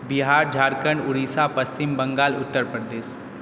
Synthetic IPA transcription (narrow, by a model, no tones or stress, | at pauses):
bɪɦaːɾd͡ʒʱaːɾkə̃ɳɖʊɾiːsapɐst͡ʃɪmbɐ̃ŋɡaːlʊt̪ːəɾpɾəd̪eːʃ